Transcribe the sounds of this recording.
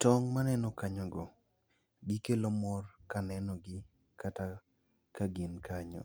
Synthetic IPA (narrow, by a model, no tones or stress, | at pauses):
tɔŋmanɛnɔkaɲɔɡɔ | ɡɪkelomɔrkanɛnɔɡɪ | kata | kaɡinkaɲɔ̰